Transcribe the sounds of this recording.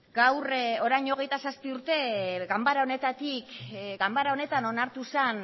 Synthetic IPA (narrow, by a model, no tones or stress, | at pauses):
ɡawro̞ɾajɲo̞ɣ̞e̞jt̪asaspiuɾt̪e̞ɡambaɾao̞ne̞t̪at̪ikɡambaɾao̞ne̞t̪ano̞naɾt̪usan